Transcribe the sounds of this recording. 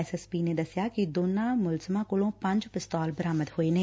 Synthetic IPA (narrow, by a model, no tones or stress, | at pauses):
sɛspiːned̪ɐsjakid̪oːnãmʊlzəmãkʊlõpɐ̃ɲd͡ʒpɪst̪ɔːlbəɾaːməd̪ɦoːenɐ̃